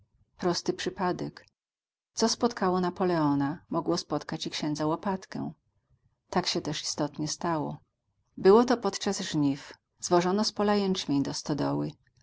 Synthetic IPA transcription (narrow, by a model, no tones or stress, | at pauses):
pɾɔst̪ɘpʂɘpad̪ɛk | t̪sɔspɔt̪kʰawɔnapɔlɛɔnamɔɡwɔspɔt̪kat͡ɕikɕɛ̃nd̪zawɔpat̪kɛ̰w̃ | t̪akɕɛt̪ɛʂi̥st̪ɔt̪ɲɛst̪awɔ̰ | bɘwɔt̪ɔpɔt̪t͡ʂazʐɲif | zwɔʐɔnɔspɔlajɛnt͡ʂmʲejd̪ɔst̪ɔd̪ɔwɘ